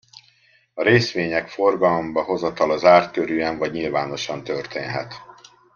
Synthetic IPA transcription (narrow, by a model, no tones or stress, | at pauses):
ɒɾeːsʋeːɲɛkfo̞rɡɒlombɒɦo̞zɒt̪ɒlɒzaːrt̪øɾyːɛɱvɒɟɲilvaːno̞ʃɒnt̪ørt̪eːnɦɛ̰t̪